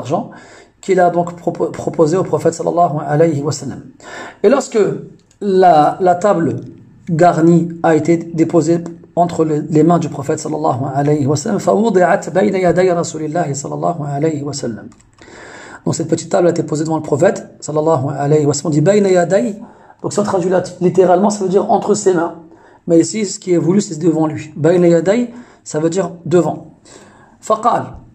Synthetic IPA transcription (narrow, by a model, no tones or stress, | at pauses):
ʁʒɑ̃ | kilad̪ɔ̃kpχɔpozeopχɔfɛt̪sˤɑlːɑ̰lˤːɑɦuʕalɛjɦwəsəlːəmelɔʁskə | lalat̪abl | ɡaʁniaet̪ed̪epozeɑ̃t̪χəllemɛ̃d̪ypχɔfɛt̪sˤɑlːɑlˤːɑ̰ɦuʕalɛjɦwəsəlːəmfawʊd̪ˤɨʕat̪bɛjnajad̪ɛjɾˤɑsulɪlːæɦisɑlːɑ̰lˤːɑ̰ɦuʕalɛjɦwəsəlːəm | d̪̥ɔ̃ksɛt̪̚pət̪it̪ːablaet̪ɛpozed̪əvɑ̃ləpχɔfɛt̪sɑlːɑlˤːɑɦuʕalɛjhwɛsalːmɔ̃d̪ibɛjnajæd̪ɛj | d̪ɔ̃ksiɔ̃t̪χaʒylalit̪eʁalmɑ̃savød̪iʁɑ̃t̪χəsemɛ̃ | mɛisisə̥kʲiavulysɛd̪əvɑ̃lɥibɛjnajæd̪ɛj | savød̪iʁd̪əvɑ̃ | fɑqɑːl